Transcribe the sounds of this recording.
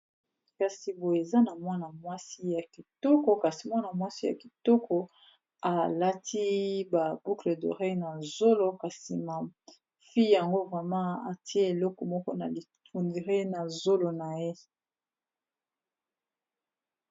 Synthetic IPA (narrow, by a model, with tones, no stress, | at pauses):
ka˨si˨bo˨e˨za˦na˨mwa˦na˨mwa˦si˦ja˨ki˨tɔ˦kɔ˨ka˨si˨mwa˦na˨mwa˦si˦ja̰˨ki˨tɔ˦kʰɔ˨ | a˨la˦ti˦ba˨b̥u˦kle˨do̰˨ʁe˦na˨zo˦lo˦ka˨si˨ma˨ | fi˦ja˨ŋɡo˦vʁɛ˨mɑ̃˦a˨ti˦e˦e˨lɔ˦kɔ˨mɔ˦kɔ˦na˨li˨tu˨ndi˨ʁe˦na˨zo˦lo˨na˨je˦